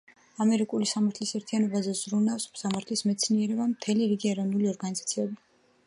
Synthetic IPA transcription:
amɛɾikʼulisamaɾt̪ʰlisɛɾt̪ʰianɔbazɛz̥ɾunafsmsamaɾt̪ʰlismɛt̪sʰniɛɾɛbamt̪ʰɛliɾiɡiɛɾɔvnuliɔɾɡanizat̪sʰiɛbi

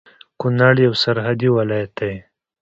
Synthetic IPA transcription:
kʊnaɽjawsaɾɦad̪iwɪlajat̪̚aj

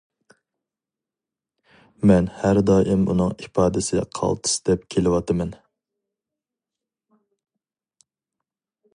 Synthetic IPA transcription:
mɛnhæɾd̪ɑːʔɪmṵnɨŋipɑːd̪ɨsɪqʰɑ̰lˠt̪ʰɨ̥sɨd̪ɛpkʲʰelɪwɑt̪ʰɨmɛn

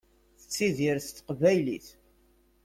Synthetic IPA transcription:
θət͡sːiðiɾθt̪ːqvæjlḭθ

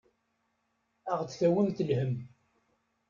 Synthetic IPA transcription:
æʁt͡sθæwəmθəlhəm

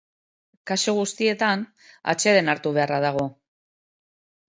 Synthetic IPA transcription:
kaʃoɣ̞ust̪ie̞t̪an | a̰t͡ʃe̞ðe̞naɾt̪uβ̞e̞arað̞aɣ̞o̞

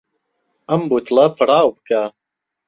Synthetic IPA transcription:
ɐmbut̪ʰlɐpʰɨɾaːwb̚kʰa

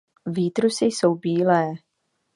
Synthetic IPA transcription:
viːt̪ɾusɪjso̞wbiːlɛː

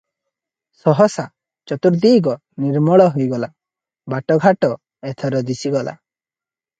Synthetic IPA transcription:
sɔɦɔsa | t͡ʃɔt̪uɾd̪iːɡɔ | niɾmɔɭɔɦujɡɔla | baʈɔɡʱaʈɔ | et̪ʰɔɾɔd̪isiɡɔlʔa̰

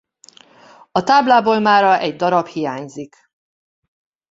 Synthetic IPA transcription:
ɒt̪aːblaːboːlmaːɾɒʔɛɟd̪ɒɾɒphijaːɲzik

